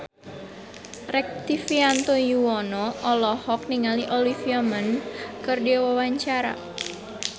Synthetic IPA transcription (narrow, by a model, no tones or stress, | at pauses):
rɛk̚t̪ifiant̪ojuwɔnɔʔɔlɔhɔk̚niŋaliʔɔlifiamənkɨrdiawawaɲt͡ʃaɾa̰